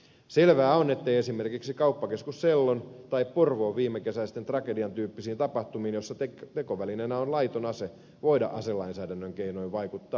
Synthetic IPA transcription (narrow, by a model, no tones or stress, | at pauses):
selʋæːo̞ne̞t̪ːe̞jesime̞rkiksikɑupːɑke̞skusselːont̪ɑipporʋo̞ːʋʋiːmːeke̞sæist̪ent̪rɑke̞diɑnt̪yːpːisiːnt̪ɑpɑht̪umiːnjo̞sːɑet̪eko̞ʋælinenæonlɑjt̪onɑse | ʋo̞idɑ̰ʔɑselɑinsæːdænːøŋkeinoiʋʋɑjkut̪ːɑː